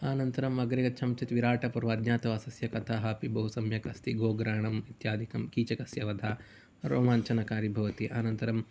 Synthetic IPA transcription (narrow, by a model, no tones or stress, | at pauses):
aːnɐnt̪ɐɾɐmɐɡɾɐɡɐt͡ʃʰɐmt͡ʃɐt̪ʋiɾaːʈɐpɐɾʋɐd̪njaːt̪ɐʋɐsɐsjɐkɐt̪ʰaːɦɐpibɐɦusɐmjɐkɐst̪iɡoːɡɾaːɳɐmit̪jaːd̪ʱikɐmkiːt͡ʃɐkɐsjɐʋɐd̪ʱaː | ɾoːmaːnt͡ʃʰɐnɐkaːɾibʱɐʋɐt̪iʔaːnɐnt̪ɐɾɐm